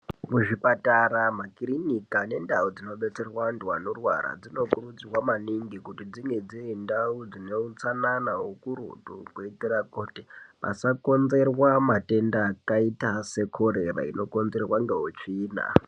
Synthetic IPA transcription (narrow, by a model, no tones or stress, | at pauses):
muʐipataɾamakiɾinikane̞ndaud͡zino̞ɓe̞t͡se̞rwandwanorwa̰ɾa̰d͡zino̞kurud͡ziwamaniŋɡikutid͡ziŋɡed͡ziindaud͡zineut͡sananaɦokuɾṵtṵkweitirakotepa̰sako̞nze̞rwamate̞ndakaitase̞kʰo̞ɾe̞ra̰ḭno̞ko̞nze̞rwaŋɡeɦot͡ʂiːna̰